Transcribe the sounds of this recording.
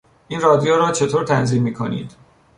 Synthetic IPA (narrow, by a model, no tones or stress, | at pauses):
ʔiːnrɒːd̪ijoːɾɒːt͡ʃʰe̞t̪ʰoːɾt̪ʰænziːmːiːkʰo̞̰nḭːd̪